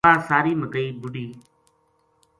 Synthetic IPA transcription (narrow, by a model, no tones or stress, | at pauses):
aːsaːɾiːməɡəiːbʊɽiː